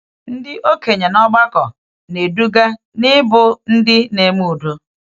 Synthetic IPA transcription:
n̩˦dɪ˦ʔo˦ke˨ɲe˨nɔ˦ɡ͡ba˦kɔ˨ | ne˨du˦ɡa˦ | nɪ˦bʊ˨n̩˦dɪ˦ne˨m˦u˨do˦

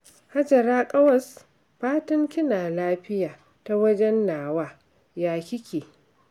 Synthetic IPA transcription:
ha˦d͡ʒɐ˨ɾaː˦kʼɐ˦wɐ˨s | ɸaː˦tɐ˦ŋkʲɪ˦naː˨laː˦ɸɪ˦jaː˨ | ta˦wɐ˦d͡ʒɛ˦nːaː˨waː˦ | jaː˦kʲɪ˦kʲeː˨

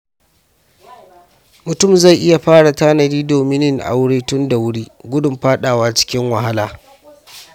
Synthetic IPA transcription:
mʊ˨tʊ˦˨mza˦˨jʔɪ˦ja˨ɸaː˦ɽa˨taː˦nɐ˨ɾiː˦doː˨mɪ˦nɪ˦ŋʔa̰˨wʊ˦ɽiː˦tʊ˦nda˨wʊ˦ɽiː˦ɡʷʊ˦dʊ˨mɸaː˦ɗaː˨waː˦t͡ʃɪ̥˦kʲɪ˦ŋwɐ˨ɦa˦laː˨

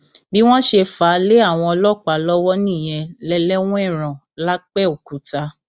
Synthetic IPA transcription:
bi˦w̃ɔ̃˦ʃe˧fa˨˦le˦a˦˨w̃ɔ̃˧ɔ˧lɔ˦˨k͡pa˨lɔ˦wɔ˦nĩ˦˨j̃ɛ˧lɛ˧lɛ˦w̃ɔ̃˦ɛ˦˨ɾ̃ã˨ | la˦k͡pɛ˦o˨ku˨˦ta˧

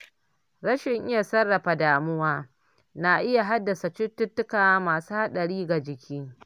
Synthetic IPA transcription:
ɾɐ˦ʃɪ˨ŋʔɪ˦ja˨sɐ˦rːɐ˨ɸa˨daː˨mʊ˦waː˦ | na˨ʔɪ˦ja˨ɦa˦dːɐ˨sa˨t͡ʃʊ˦tːʊ˦tːʊ˦kaː˨a˦maː˨suː˦ha˦ɗɐ˨ɽiː˦ɡa˨d͡ʒɪ˨kʲʰiː˦

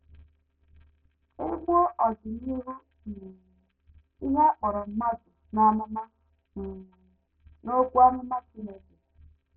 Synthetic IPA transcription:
e˦ɡʷo˦ʔɔ˨d͡ʒɪ˨n˦i˦ɾu˦ | n̩˨ | i˦ɦe˦a˦k͡pɔ˨ɾɔ˨m̩˦ma˦d͡ʒʊ˨na˨mʊ˦ma˦ | ŋ̩˨ | no˦kʷu˦a˦nʊ˦ma˦t͡ʃi˦ne˦ke˨

